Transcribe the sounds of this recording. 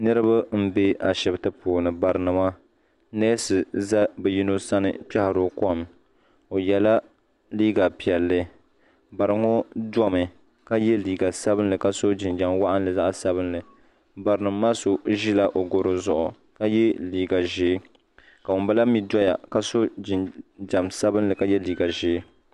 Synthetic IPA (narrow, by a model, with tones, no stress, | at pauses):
nɨ˦ɾɨ˦ba˦m̩˦be˦a˨ʃɛ˨btɨ˦poː˨nɨ˨ba˨ɾɨ˨nɨ˨ma˦ | nɛ˦sɨ˨za˦bɛ˨ji˦no˦sa˦nɨ̰˨pɛ˦hɾo˨kɔ˦˨m | o˨jɛ˨la˦ | liː˦ɡa˨pi˨ɛ˨lːɨ˦ | ba˨ɾɨ˨˦ŋo˦dɔ˦mɨ˨ | ka˦jɛ˦liː˨ɡa˨sa˦bɨ˦nlɨ˨ka˦so˦d͡ʒɪ˨nd͡ʒa˨mwa˦ʔa˦n˦lɨ˨za˦ʔsa˦βɨ˦nlɨ˨ | ba˨ɾɨ˨nɨ˨˦ma˦so˨ʒi˦la˦ʔo˨ɡʊ˨ɾo˨zʊ˨ʔʊ˨ | ka˦jɛ˦liː˨ɡa˨ʒeː˦ | ka˨wʊ˨mba˦la˦mi˦dɔ˦ja̰˨ka˦so˦d͡ʒɪ˨d͡ʒa˨msa˦bɨ˦nlɨ˨ka˦jɛ˦liː˦ɡa˨ʒɪː˦